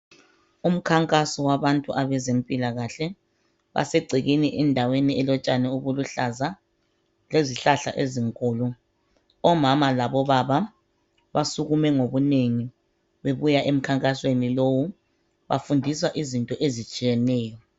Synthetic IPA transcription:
um̩kʰaŋkʼasɔwaβantʼuʔaβɛzempʼilaɣaɬɛ | βa̰seɡ͡ǀʱiɣiniʔɛndʱaweniɛlɔt͡ʃʼanɛuβuluɬaza | leziɬaɬa̰ʔeziŋkʼɔːlɔ | ɔmamalaβɔβaβa | βasuɣumɛŋoβuneŋi | βeβujaʔem̩kʰaŋkʼaswenilowu | βa̰fundʱiswaʔizintʼɔʔezit͡ʃʼijɛnɛːjɔ

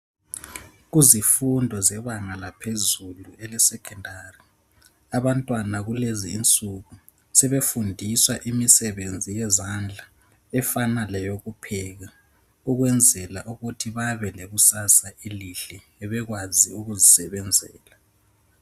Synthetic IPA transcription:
ɣuzifundʱɔzɛβaŋalapʰezuluɛlɛsɛkʰɛndʱari | aβantʼwanaɣuleziːnt͡sʼuɣu | sɛβefundʱiswaʔimisɛβend͡zʱijɛzand͡ɮʱa | ɛfanalɛjoɣupʰɛɣa | uɣwɛnd͡zʱɛlaʔuɣutʰiβaβɛleɣusasaʔiliɬɛ | ɛβɛɣwaziuɣuzisɛβɛnd͡zʱɛ̰ːla

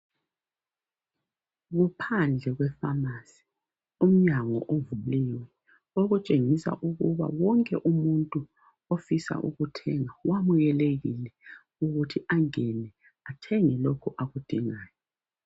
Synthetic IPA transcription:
ɣupʰand͡ɮʱɛɣwɛfamasi̥ | um̩ɲaŋɔ̰ʔovulliːwɛ | oɣut͡ʃʼeŋisa̰ʔuɣuβa̰wɔŋkʼɛʔumuntʼu | ofisa̰ʔṵɣutʰɛŋawamujɛleɣilɛ | uɣutʰiaŋɛnɛ | atʰɛŋɛlokʰɔʔaɣud̥ʱiŋaːjɔ

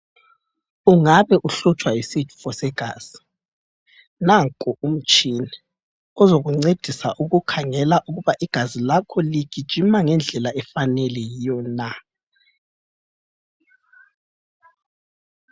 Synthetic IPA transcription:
uŋaβɛʔuɬut͡ʃʼwaisit͡ʃʰʼu̥fɔsɛɡ̥ʱaːz̥i̥ | naŋkʼɔum̩t͡ʃʼinɛ | ɔzoɣuŋ͡ǀed̥ʱisaʔuɣukʰaŋɛlaʔuɣuβaʔiɡ̥ʱazilakʰɔliɡ̥ʱid̥ʒ̥ʱimaŋɛnd͡ɮʱɛlaʔɛfanɛlɛjijɔna

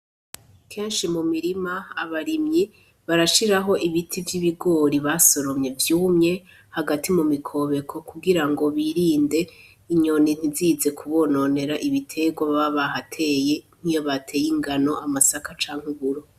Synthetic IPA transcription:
kʰe̞ːnʃimumiɾimaːβaɾimɲi | βaɾaʃiɾaɦo̞ʔiβitʰivjiβiɡo̞ːɾiβaso̞ɾomɲe̞vjuːmɲe̞ | haɡatʰimumikʰo̞βe̞kʰo̞kuɡiɾaŋɡo̞βiɾiːnde̞ | iɲo̞nin̥iziːze̞kʰuβo̞no̞ne̞ɾaʔiβitʰe̞ɡwaβaβaɦatʰe̞ːjen̥ijo̞βatʰe̞ːjiŋɡano̞amasakat͡ʃaːŋ̥uβuɾo

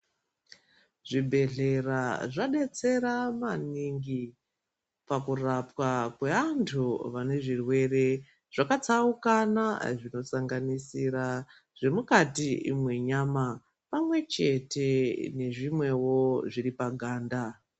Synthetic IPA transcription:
ʐibʱe̞ɮe̞raʐaɗe̞t͡se̞ɾamaniŋɡi | pakurapwakwe̞antʰuʋane̞ʐirwe̞re̞ | ʐ̥akat͡saukanaʐino̞saŋɡanisira | ʐ̥e̞mukatiḭmwe̞ɲama | pamwe̞t͡ʃe̞te̞ne̞ʐimwe̞wo̞ʐiripaɡʱaːnda

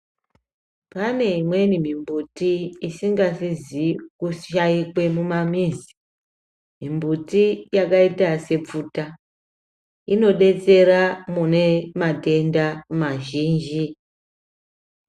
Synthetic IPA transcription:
pane̞imwe̞nimimbutiːsiŋɡasizikuʃaikwe̞mumamizi̥ | mimbutijakaitase̞p͡futa | ino̞ɗe̞t͡se̞ɾamune̞mate̞ndamaʒiːnd͡ʒi

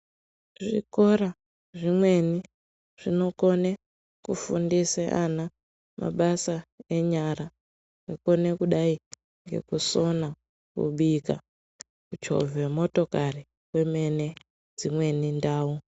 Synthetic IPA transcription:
ʐḭko̞ɾa | ʐimwe̞ni | ʐ̥ino̞ko̞ne | kufundiseʔana | ma̰ɓasaeɲaɾa | eko̞ne̞kuɗai | ŋɡe̞̰kuso̞na | kṵɓika | kut͡ʃo̰vemo̞to̞kari | we̞me̞ne̞ | d͡zimwe̞nindaːu

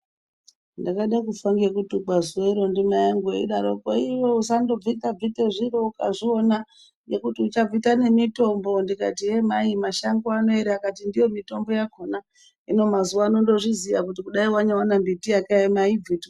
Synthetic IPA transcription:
ndakaɗakufaŋɡekutuɡ͡bwazuweɾo̞ndimajaŋɡeḭɗaɾokoiwo̞usando̞b͡vitab͡viteʐiɾo̞kaʐio̞na | jekutiut͡ʃab͡vitane̞mito̞mbo̞ndikatijemaimaʃaŋɡoano̞eɾeakatindijo̞mito̞mbo̞jakona | ino̞mazuwaːno̞ndo̞ʐizijakutikuɗaiwaɲawanambitijakajemaib͡vito

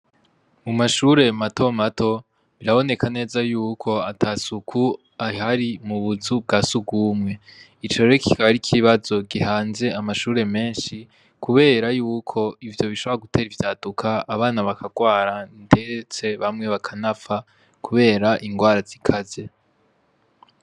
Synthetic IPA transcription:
mumaʃuːɾe̞mato̞matʰo̞ | βiɾaβo̞ne̞kʰane̞ːzajuːkʰo̞atʰasukʰu | ahaɾimuβuzub̚ɡasubɡuːmŋe̞ | it͡ʃoeɾeki̥kʰaβaɾikʰiβazo̞ɡihaːnze̞amaʃuːɾe̞me̞ːnʃi | kʰuβe̞ːɾajuːkʰo̞ivjo̞βiʃo̞βoaɡutʰe̞ːɾivjaːdukʰaːβaːnaβakaɡwaːɾande̞t͡se̞βamŋe̞βakʰanafa | kuβe̞ːɾaʔiŋɡwaːɾazikʰaze̞

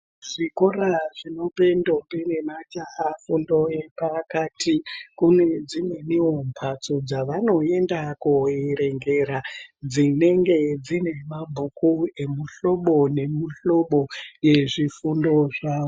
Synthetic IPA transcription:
ʐ̥iko̞raʐino̞pe̞ndo̞mbene̞mat͡ʃaafundo̞jepakaːtʰikune̞d͡zineniwo̞mpʰat͡sod͡zaʋano̞e̞ndakueɾe̞ŋɡe̞ɾad͡zine̞ŋɡe̞d͡zine̞mabʱukue̞muɬo̞ɓo̞ne̞muɬo̞ɓo̞je̞ʐifundo̞ʐaːo

